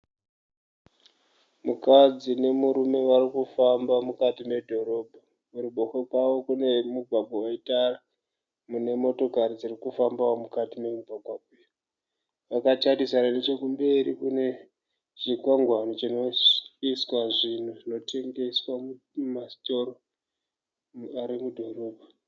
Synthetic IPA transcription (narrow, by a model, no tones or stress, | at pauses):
mukad͡zine̞muɾume̞ʋaɾikufambamukatime̞dʱo̞ɾo̞bʱa | muɾiɓo̞xokwawo̞kune̞muɡʱwaɡʱowaitara | mune̞mo̞to̞kaɾid͡zirikufambaomukatime̞mubʱaɡʱwapej | ʋakat͡ʃadisananet͡ʃokumbe̞ɾikune̞ | t͡ʃikwaŋɡwanot͡ʃino̞iswaʐin̤uʐino̞te̞ŋɡe̞swamu | masto̞ɾo | aɾimudʱo̞ro̞ːbʱa